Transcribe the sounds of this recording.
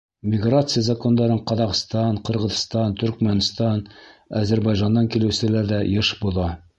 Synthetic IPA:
mʲɪɡrat̪sɨjazɐko̞nd̪ɑɾɤɴqɑðɑqst̪ɑɴqɤ̆ɾʁɤ̆ðst̪ɑnt̪ɵ̆ɾkmænst̪ɑnæzæɾbɑjʒɑnd̪ɑŋkilɘwsɘ̆læɾðæjɤʃbulˠɑ

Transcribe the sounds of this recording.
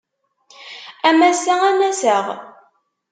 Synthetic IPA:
æmæsæænæsəʁ

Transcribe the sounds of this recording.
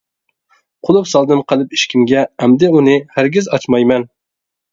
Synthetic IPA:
qʰʊlˠupsɑlˠd̪ɨnqʰəlˠɨpiʃkʲimɡʲɛæmd̪ɪunɨhæɾɡʲɪzɑt͡ʃmɑjmɛn

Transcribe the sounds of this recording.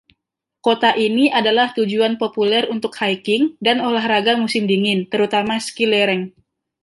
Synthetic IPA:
kot̪aʔiniʔadalaht̪ud͡ʒuanpopulɛrunt̪ʊkhajkɪŋdanolahraɡamusɪmdiŋɪnt̪əɾut̪amaskilɛɾɛŋ

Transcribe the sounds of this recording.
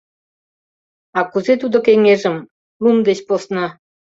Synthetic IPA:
ɑkuzet̪ud̪okeŋeʒəm | lumd̪et͡ɕposnɑ

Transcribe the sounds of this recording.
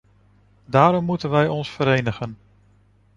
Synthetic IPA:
daːɾɔmːutənʋɛjɔnsfəɾejnəχən

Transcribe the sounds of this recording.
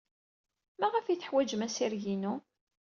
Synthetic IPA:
mæʁəfiθə̥ħwæd͡ʒəmæsiɾʝinu

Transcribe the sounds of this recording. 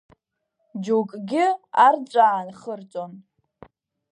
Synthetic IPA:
d͡ʒokʼɡʲɪart͡ʃʷʼaːnχərt͡sʼon

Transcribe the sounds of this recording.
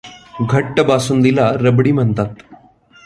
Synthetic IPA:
ɡʱəʈːəbasuːnd̪ilaɾəbɽiːm̤əɳt̪at̪

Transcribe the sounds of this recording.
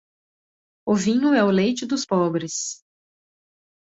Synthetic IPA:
ʊvĩnʊɛʊlejt͡ʃɪd̪ʊspɔbɾɪs

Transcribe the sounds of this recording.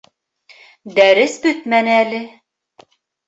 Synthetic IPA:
d̪æɾɘsbɵ̆t̪mænælɘ

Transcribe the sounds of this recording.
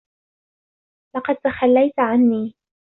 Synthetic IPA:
lɑqɑd̪̚t̪axalːajt̪ʕanːiː

